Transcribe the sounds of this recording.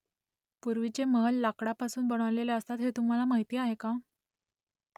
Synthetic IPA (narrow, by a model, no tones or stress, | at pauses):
puɾʋit͡ɕeməlːakɽapasuːnbəɽ̃əʋleleəst̪at̪ɦet̪um̤alamaɦjt̪iːaɦeka